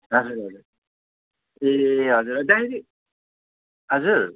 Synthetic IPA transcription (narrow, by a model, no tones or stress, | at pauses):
ɦʌd͡zuɾɦʌd͡zuɾ | eɦʌd͡zuɾʌd̪ãɦiɾi | ɦʌd͡zuɾ